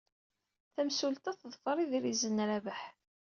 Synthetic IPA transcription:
θæmsult̪æθəðˤfəɾˤiðɾizənːɾævəħ

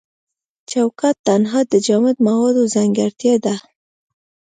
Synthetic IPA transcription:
t͡ʃawkat̪ːanɦɑd̪əd͡ʒamɪd̪mawɑd̪ozaŋɡaɾt̪jɑd̪a

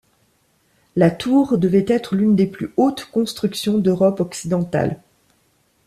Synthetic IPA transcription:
lat̪ʰuʁd̪əvɛt̪ɛt̪χlynd̪eplyot̪kɔ̃st̪χyksjɔ̃d̪øʁɔpɔksid̪ɑ̃t̪a̰l

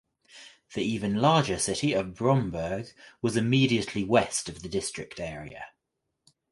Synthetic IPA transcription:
ðiiːvə̃nlɑːd͡ʒəsɪtiəvbɹɒ̃mbɜːɡwɒzɪmiːdiəʔliwɛstəvðədɪstɹ̥ɪk̚tɛːɹḭə̰

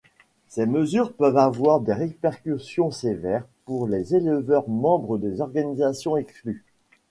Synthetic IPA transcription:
seməzyʁpœvavwaʁd̪eʁepɛʁkʲysjɔ̃sevɛʁpuʁlezelvœʁmɑ̃bʁəd̪ezɔʁɡanizasjɔ̃ɛkskly

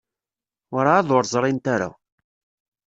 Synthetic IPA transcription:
aɾaːðoɾzˤɾˤɪnt̪aɾa̰

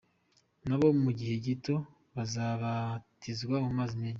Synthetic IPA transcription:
naβo̞muɟihe̞ɟito̞ | βazaβatizɡwamumaːzimeːɲ

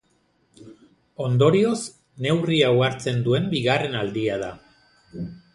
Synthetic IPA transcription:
o̞nd̪o̞ɾio̞s | ne̞wriawaɾt͡se̞nd̪ue̞mbiɣare̞nald̪iað̞a

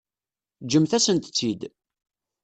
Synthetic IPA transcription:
d͡ʒəmθæsənt̪t͡sːid̪

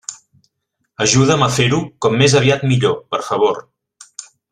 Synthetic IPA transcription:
əʒuðəməfeɾukɔmːezəβ̞iat̪miʎopəɾfəβ̞oɾ

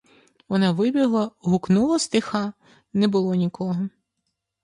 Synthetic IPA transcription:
ʋɔnɑʋɪbʲiɦlˠɐɦʊknulˠɐst̪ɪxɑ | nɛbʊlˠɔnʲikʰɔɦɔ

